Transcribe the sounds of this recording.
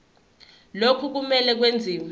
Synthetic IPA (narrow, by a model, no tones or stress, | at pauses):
lokʰuk̬umɛlɛk̬wend͡zʱiːm